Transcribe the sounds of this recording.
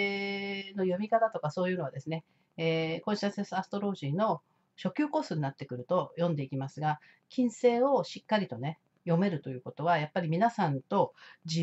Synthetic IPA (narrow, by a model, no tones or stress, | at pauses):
no̞jo̞mʲikat̪at̪o̞kaso̞ːjɯ̟ːno̞ad̪e̞sɨne̞ː | kõ̞ɕiasesasɨ̥t̪o̞ɾo̞ːʑiːno̞ | ɕo̞kʲɨːko̞ːsɨɲnat̪ːe̞kɯ̟ɾɯ̟t̪o̞jõ̞nd̪e̞ikʲimasɨɡa | kʲĩɰ̃se̞ːo̞ɕikːaɾʲit̪o̞ne̞ | jo̞me̞ɾɯ̟t̪o̞jɯ̟ːko̞t̪o̞βajapːaɾʲimʲinasãnt̪o̞d͡ʑi